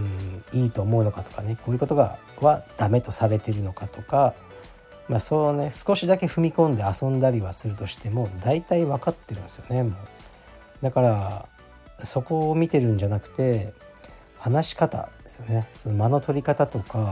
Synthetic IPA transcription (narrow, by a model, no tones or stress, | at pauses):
iːt̪o̞ːmo̞ɯ̟no̞kat̪o̥kane̞kʰo̞ːiɯ̟kot̪o̞ɡa̰ | βad̪̥ame̞t̪o̞saɾe̞t̪e̞ɾɯ̟no̞kat̪o̞ka | masone̞sɨ̥ko̞ɕid̪ake̞ɸɯ̟mʲikõ̞nd̪e̞asõ̞nd̪aɾʲiβasɨɾɯ̟t̪o̞ɕi̥t̪e̞mo̞d̪ait̪aiβakat̪ːe̞ɾɯ̟̃nsɨjo̞ne̞moː | d̪akaɾa | so̞ko̞ːmʲit̪e̞ɾɯ̟̃ɲ̟d͡ʑanakɯ̟̥t̪e̞ | hanaɕi̥kat̪a̰d̪̥e̞sɨjo̞ne̞so̞nomano̞t̪o̞ɾʲikat̪at̪o̞ka